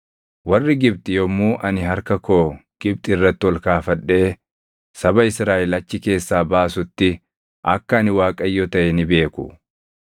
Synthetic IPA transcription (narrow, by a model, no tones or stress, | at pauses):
wɐrːɪɡɪb̚t̪ʼɪjɔmːuːʔɐnɪɦɐɾkɐkoːɡ̥ɪb̚t̪ʼɪɪrːɐt̪ːɪwɔlkaːfɐᶑːe̞ː | sɐbɐɪsɾaːʔɪlɐt͡ʃːɪke̞ːsːaːbaːsʊt̪ːɪ | ʔɐkːɐɐnɪwaːkʼɐjːɔt̪ɐʔɛnɪbe̞ːkʊ